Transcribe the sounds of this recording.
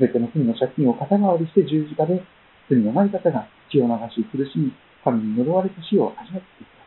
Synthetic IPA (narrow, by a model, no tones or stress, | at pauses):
sɨbe̞t̪e̞no̞t͡sɨmʲino̞ɕakʲːĩɰ̃o̞kat̪aɡaβaɾʲiɕi̥t̪e̞ʑɨːʑikad̪e̞ | t͡sɨmʲino̞naikat̪aɡai̥t͡ɕijo̞ːnaɡaɕiokɯɾɯ̟ɕimʲi | kamʲiɲ̟ino̞ɾo̞βaɾe̞t̪aɕio̞ʔaʑimat̪ːe̥t̪ekt̪ḁ